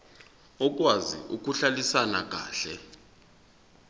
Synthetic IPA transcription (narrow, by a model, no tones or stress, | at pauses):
ɔk̬ʼwazḭʔuk̬ʼuɬalisanak̬ʼa̰ːɬɛ